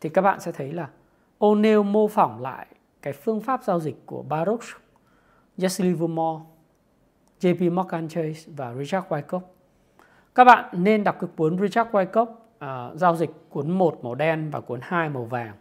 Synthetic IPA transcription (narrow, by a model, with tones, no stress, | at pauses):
t̪ʰi˨˩kaː˦˥k̚ɓa̰ː˧˨nsɛ̰˧˥t̪ʰə˨˦jlaː˨˩ | ʔo˧ne˧wmo˧fa˧˩wŋ͡mla̰ː˧˨j | kaː˨˦jfɨ˧əŋfaː˦˥p̚zaː˧wzï˨˩k̟̚ku˧˩əɓaː˧ɾu˦˥k̚s | za˦˥sli˧vu˧mɔ˧ | ze˧pi˧mɔ˦˥kːaː˧nt͡ɕə˧jsvaː˨˩ɹi˧t͡ɕaː˦˥t̚waː˧jko˦˥p̚ | kaː˦˥k̚ɓa̰ː˧˨nːe˧nɗa˨˩k͡p̚ki˨˦k̚ku˨˦ənzi˧t͡ɕa˦˥t̚kwaː˧jko˦˥p̚ː | zaː˧wzï˨˩k̟̚ku˨˦ənmo˨˩t̚mo˨˩ɗɛ˧nvaː˨˩ku˨˦ənhaː˧jmo˨˩vaː˨˩ŋ